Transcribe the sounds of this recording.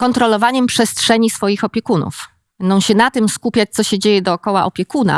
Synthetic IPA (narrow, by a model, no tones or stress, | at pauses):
kɔnt̪ɾɔlɔvaɲɛmpʂɛstʂɛɲisfɔjixɔpʲjɛkunṵf | bɛnd̪ɔ̃w̃ɕɛnat̪ɘmskupʲjat͡ɕ̚t̪sɔɕɛd͡ʑejɛd̪ɔːkɔwaʔɔpʲjɛkuna̰